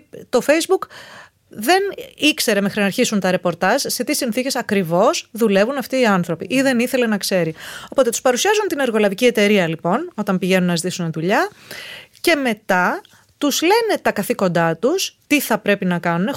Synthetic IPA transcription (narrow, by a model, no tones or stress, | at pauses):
t̪o̞fe̞jzbuk | ðe̞nikse̞ɾe̞me̞xɾinɐɾçisunt̪ɐɾe̞po̞ɾt̪ɐzse̞t̪isinθice̞sɐkɾivo̞sðule̞vunɐft̪iːɐnθɾo̞piʔiðe̞niθe̞le̞nɐkse̞ɾiopo̞t̪e̞t̪u̥spɐɾusiɐzunt̪ine̞ɾɣo̞lɐvicie̞t̪e̞ɾiɐlipo̞no̞t̪ɐmpiʝe̞nunɐzit̪isuneðuʎɐ | ce̞me̞t̪ɐ | t̪uzle̞ne̞t̪ɐkɐθiko̞nd̪ɐt̪ust̪iθɐpɾe̞pinɐkɐnune